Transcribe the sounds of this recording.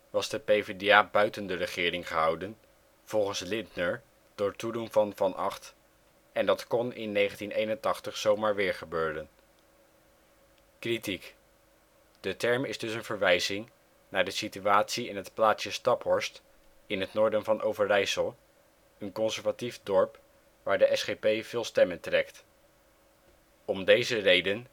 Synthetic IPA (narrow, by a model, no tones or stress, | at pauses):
ʋɑsdəpejvediaːbœɥtəndərəχɪːɾɪŋχəɦɑwdən | v̥ɔlˠχənslɪndnəɹ | d̥ʊːɹtudunvɑnvɑnʔɑ̰χt | ɛndɑtkɔnɪ̰nːejχəntinejnəntɑχtəχsowmaːɹʋɪːɹχəbøːɾən | kritik | d̥ətɛɹmɪzdɵsənvəɹʋɛjzɪŋ | naːɹdəsityaːtsiɪnɦətplaːtsəstɑpɦɔɹst | ɪnɦətnʊːɹdənvɑnʔo̰wvəɹrɛjsəlˠ | ənkɔnsəɹvatifdɔɹp | ʋaːɹdəʔɛsχepejvɪːlˠstɛməntrɛkt | ɔmdejzərejdən